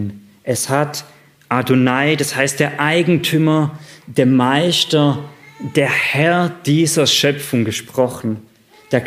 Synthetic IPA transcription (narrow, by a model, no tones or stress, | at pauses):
n | ʔɛshat | ʔadonaɪdashaɪst̚d̥eːɐʔaɪɡŋ̩tʰyːmɐdeːɐmaɪstɐd̥eːɐhɛɐd̥iːzɐʃœpp͡fʊŋɡəʃpʁ̥ɔχn̩ | d̥eːɐ